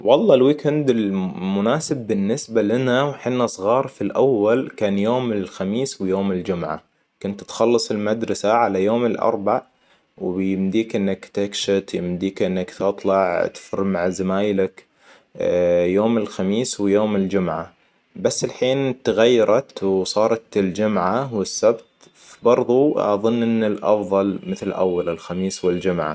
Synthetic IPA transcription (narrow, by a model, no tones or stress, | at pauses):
wɑlˤːɑːlwiːkand̪ɪlmʊnaːsɪbːɪnːɪsbalɪnawħɪnːasˤɣɑːɾˤfilʔawːalkaːnjoːmɪlxamiːswjoːmɪld͡ʒʊmʕa̰ | kʊnt̪t̪xɑlːɨsˤɪlmad̪ɾˤɑsaʕalajoːmɪlʔɑ̰ɾˤbaʕ | wbjɪmd̪iːkʔɪnːakt̪akʃɪt̪jɪmd̪iːkʔɪnːakt̪ɨt̪ˤlɑʕ̰t̪fʊrmaʕzamaːjlɪk | joːmɪlxamiːswjoːmɪld͡ʒʊmʕa | basːɪlħiːnt̪ɣajːɑɾˤɑt̪wsˤɑːɾˤɑt̪ɪld͡ʒʊmʕawɪsːabt̪ | fibɑɾˤðˤuʔɑ̰ðˤɨnːʔɪnːɪlʔɑ̰fðˤɑlmɪθlʔa̰wːalɪlxamiːswɪld͡ʒʊmʕa̰